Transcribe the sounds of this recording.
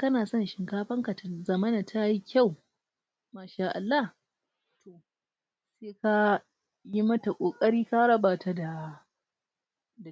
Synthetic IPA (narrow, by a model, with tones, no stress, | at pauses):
kɐ˦naː˨sɔ˦˨nʃɪ˨ŋkaː˦ɸɐ˦ŋka˨ta˨zɐ˨mɐ˦na˨tʰa˦ji˦kʲa˦˨w | maː˦ʃaː˦ʔa̰˨lːa˦h | tʰo˨ | seː˦ka˦ | ji˦mɐ˦ta˨kʷʼoː˨kʼɐ˦ɽiː˦ka˦ɽɐ˦baː˨ta˦da˨ | d